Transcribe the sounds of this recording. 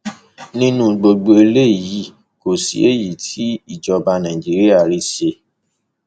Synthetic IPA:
nĩ˦nũ˦ɡ͡bo˧ɡ͡bo˧e˧le˦˨ji˨˦ | ko˨sḭ˨e˦ji˨tʰi˨˦i˦˨d͡ʒɔ˧ba˧nã˨d͡ʒi˨˦ɾi˦a˦˨ɾi˧ʃe˧

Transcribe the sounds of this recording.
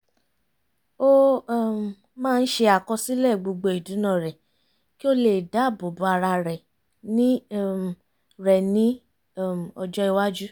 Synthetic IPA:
o˦˨ | mãː˦˧n̩˦ʃe˧a˨kɔ˧si˦lɛ˦˨ɡ͡bo˧ɡ͡bo˧˨i˨du˨˦nã˦˨ɾɛ˨ | ki˦o˦le˨da˨˦˨bo˨bu˨˦a˧ɾa˧ɾɛ˨ | nĩ˦˨ | ɾɛ˨nĩ˨˦˨ | ɔ˧d͡ʒɔ˦i˧wa˦d͡ʒu˦

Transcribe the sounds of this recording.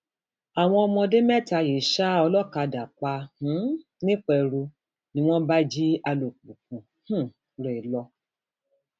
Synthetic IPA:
a˨w̃ɔ̃˧ɔ˧mɔ̃˧de˦mɛ˦˨ta˧˨je˨ʃa˦ɔ˧lɔ˦˨ka˧da˨k͡pa˧h̩˨˦ | nĩ˦k͡pɛ˧ɾu˧ | nĩ˧w̃ɔ̃˦ba˦d͡ʒi˦a˧lo˨k͡pũ˨kũ˨ | hũ˦˨ | ɾɛ˨lɔ˧

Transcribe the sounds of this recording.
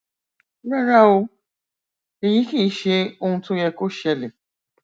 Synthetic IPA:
ɾa˦ɾa˦o˧ | e˨ji˨˦ki˦˨˦ʃe˧o˦˧hũ˧tʊ̃˦jɛ˧ko˦ʃɛ˧le˨

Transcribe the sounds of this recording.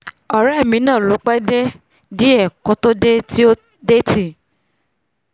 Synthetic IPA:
ɔ˨ɾɛ˦˨mĩ˨˦nãː˦˨lo˨˦k͡pɛ˦de˦ | di˦ɛ˦˨kõ˨˦to˦de˦ti˦o˦ | de˦ti˦˨

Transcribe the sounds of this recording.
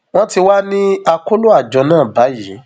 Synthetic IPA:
w̃ɔ̃˦ti˧wa˦nĩ˦a˧ko˦lo˦a˦˨d͡ʒɔ˧nãː˦˨ba˨˦ji˨˦

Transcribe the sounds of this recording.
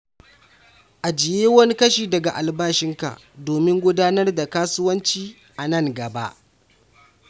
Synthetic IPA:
ʔa˨d͡ʒɪ˨jeː˦wɐ˦ni˦kɐ˦ʃiː˨dɐ˨ɡa˨ʔa˨lbaː˦ʃɪ˦ŋka̰˨ʔdoː˨mɪ˦ŋɡʷʊ˦daː˦nɐ˦rda˨kaː˦sʊ˦wɐ˦nt͡ʃiː˦ | ʔa˨nɐ˦˨ŋɡɐ˨ba̰˦ʔ

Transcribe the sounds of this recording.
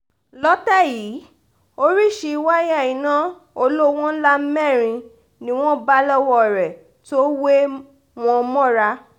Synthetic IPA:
lɔ˦tɛ˦˨jiː˨˦ | o˦ɾi˦˨ʃi˧˦wa˦ja˦˨ĩ˨nã˨˦ | o˧lo˦w̃ɔ̃˦la˦m̩˦mɛ̃˦˨ɾ̃ĩ˧ | nĩ˦w̃ɔ̃˦ba˦lɔ˦wɔ˦˨ɾɛ˨ | to˦we˦ | w̃ɔ̃˧mɔ̃˦˨ɾa˧˦

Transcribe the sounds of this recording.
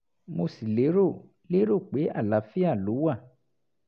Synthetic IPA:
mo˧si˨le˨˦ɾo˦˨ | le˦ɾo˦˨k͡pe˨˦a̰˦˨la˨˦fi˦a˦˨lo˨˦wa˦˨

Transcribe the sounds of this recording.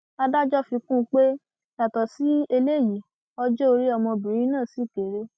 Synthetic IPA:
a˧da˦d͡ʒɔ˦fi˧kũ˦˧k͡pe˦ | ja˨tɔ˨si˨˦e˧le˦˨ji˨ | ɔ˧d͡ʒo˦o˧ɾi˦ɔ˧mɔ̃˧bi˨ɾ̃ĩ˦nãː˦˨si˨˦˨ke˨ɾe˧

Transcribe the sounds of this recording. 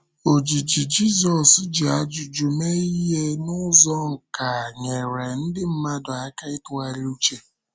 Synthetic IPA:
o˨d͡ʒi˨d͡ʒi˨d͡ʒi˦zɔ˨sd͡ʒi˨a˨˦d͡ʒu˨d͡ʒu˨me˦i˦ɦe˦nʊ˦zɔ˦ŋ̩˨ka˨ɲe˨ɾe˨n̩˦dɪ˦m̩˦ma˦dʊ˨a˨˦ka˦ɪ˦tʊ˦a˦ɾi˦u˦t͡ʃe˦

